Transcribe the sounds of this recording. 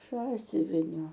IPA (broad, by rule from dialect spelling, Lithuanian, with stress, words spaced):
ˈsɑːsʲʊʋʲɪnʲoː